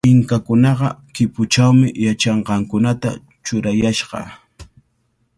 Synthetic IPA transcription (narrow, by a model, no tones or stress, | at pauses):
pɪŋkakʊnɑɢɑkɪpʊt͡ʃawmɪjat͡ʃɑɴɢɑŋkʊnat̪a̰ | t͡ʃʊɾajaʃɢɑ̰